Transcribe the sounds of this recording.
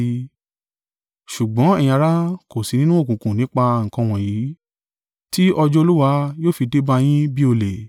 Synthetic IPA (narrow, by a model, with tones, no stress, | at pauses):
ʃu˨ɡ͡bɔ̃˨˦ɛ˦˨j̃ɾa˦ko˨si˨˧nĩ˦nũ˦o˦˨kũ˨kũ˨nĩ˨˦k͡pa˧ŋ̩˨kɔ̃˧w̃ɔ̃˨jiː˨˦ | ti˦ʔɔ˧d͡ʒɔ˦o˧lu˦wa˧joː˦fi˧de˦ba˧j̃ĩ˦bi˦o˧le˨